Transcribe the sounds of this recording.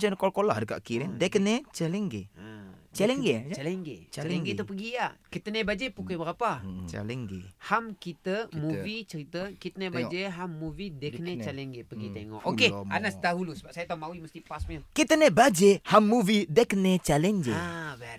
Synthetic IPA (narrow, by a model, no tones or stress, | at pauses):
d͡ʒənkolkolahdika̰ʔkiɾedekənet͡ʃalɛŋɡḛət͡ʃalɛŋɡet͡ʃalɛŋɡḛt͡ʃaaɛŋɡet̪upəɡijakit̪ənebad͡ʒepukajbəɾapat͡ʃa̰lɛŋɡḛhamkit̪əmuvit͡ʃəɾit̪əkit̪ənebad͡ʒeɦamːuvidekənet͡ʃalɛŋɡepəɡit̪eŋɔ̰ʔʔokea̰nasd̪aɦulusəbapsajat̪ɔmawiməst̪ipasmɛlkit̪ənebad͡ʒehamːuvidekənet͡ʃalɛŋɡeabɛ